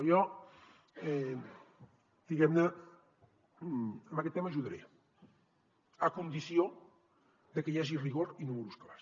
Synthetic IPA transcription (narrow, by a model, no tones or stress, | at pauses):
jɔ | ɛ | d̪̥iɣɛmna | mbakɛt̪ːemaʒuðaɾḛ | akund̪iθjo | d̪ekejaʒiriɣ̞oɾinumuɾusklas